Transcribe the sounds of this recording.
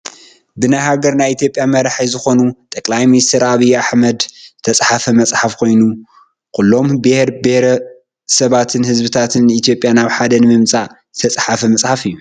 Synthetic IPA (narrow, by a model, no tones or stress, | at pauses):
bɨnajɦaɡɐɾnajit̪jopʼjamɐɾaħajzɨxo̞nut̪ʼɐkʼlajminist̪ʰɐɾaβijːaħmɐd̪zt̪ʰɐt͡sʼħafɐmɐt͡sʼħafkʰo̞jnu | kʰulːo̞mbɨhɾbehɾɐ | sɐβat̪ʰɨnhɨzbɨt̪ʰat̪ʰɨnːɨit̪ʰjo̞pʼjanaβħad̪ɐnɨmɨmt͡sʼazɨt̪ʰɐt͡sʼħafɐmɐt͡sʼħafɨjːu